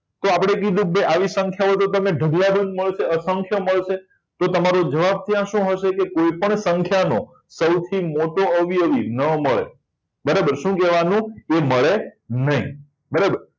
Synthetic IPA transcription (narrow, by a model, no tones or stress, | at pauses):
t̪oapɽ̃ekid̪ũk̚beʔaʋisə̃ŋkʰjaot̪ot̪̬əmeɖʱəɡlad̪ənməɭʃeəsəŋkʰjəməɭʃe | t̪ot̪əmaɾod͡ʒəʋab̚t̪jãʃũɦəʃekekoipəɳsə̃ŋkʰjano | səwt̪ʰimoʈoəʋiəʋinəməɭḛ | bəɾabəɾʃũkɛʋanũeməɭenəɦĩ | bəɾabəɾ